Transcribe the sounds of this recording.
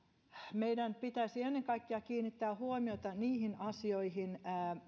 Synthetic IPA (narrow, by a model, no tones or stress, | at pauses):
meidænpit̪æisienːeŋkɑikːeɑkiːnːit̪ːæːhuomiot̪ɑniːhinɑsioihinː